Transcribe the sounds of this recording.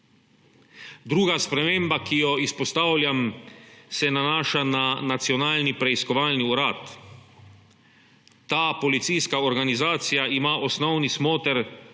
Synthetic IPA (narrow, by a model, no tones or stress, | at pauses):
d̪ɾuːɡaspɾɛmeːmbakijɔispɔst̪awlʲjam | sɛnanaːʃananat̪siɔnaːlnipɾɛiskɔʋaːlniuɾaːt̪ | aːpɔlit̪sijskaɔɾɡanizaːt̪sijaimaːʔɔsnɔwnismoːt̪ɛɾ